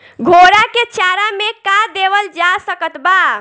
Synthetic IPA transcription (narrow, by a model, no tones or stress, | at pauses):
ɡʱoɾaket͡ʃaɾamekad̪ebəld͡ʒasəkət̪ba